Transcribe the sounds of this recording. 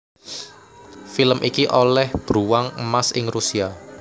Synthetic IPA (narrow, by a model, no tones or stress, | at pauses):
filəmʔikiʔolɛhb̥ɾuwaŋəmasɪŋɾusia